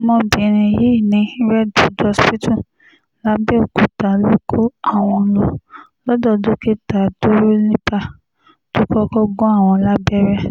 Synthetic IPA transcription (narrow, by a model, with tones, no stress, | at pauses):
mɔ̃˧bĩ˨˦ɾ̃ĩ˨ji˨˦˨nĩ˨˧ĩ˦ɾɛ˦do˨˦dɔ˧˦spi˦tũ˦˨ | la˨˦bɛ˦o˨ku˨ta˨lo˦kʰo˦a˦˨w̃ɔ̃˧lo˨ | lɔ˦dɔ˦˨do˦ke˦ta˨do˦ɾo˦nĩ˦pa˧ | to˦kɔ˦kɔ˦ɡɔ̃˦a˦˨w̃ɔ̃˧la˦bɛ˦ɾɛ˦